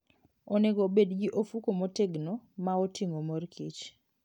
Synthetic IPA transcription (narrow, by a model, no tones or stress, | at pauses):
oneɡobedɡiʔofukomoteɡnomaotiŋomorkʰit͡ʃ